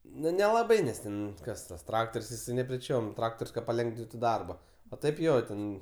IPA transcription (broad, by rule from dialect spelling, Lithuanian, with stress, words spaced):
ˈnʊ nʲɛlˠɐˈbɐɪ ˈnʲɛs tʲɛn ˈkɐs ˈtɐs ˈtrɑːktoːrʲsʲ jɪˈsɐɪ nʲɛpʲrʲɛˈt͡ʃʲoːm ˈtrɑːktoːrʲsʲ kɐt pɐˈlʲɛŋɡʋʲɪntʊ ˈdɐrbɐ oː ˈtɐɪp ˈjoː ˈtʲɛn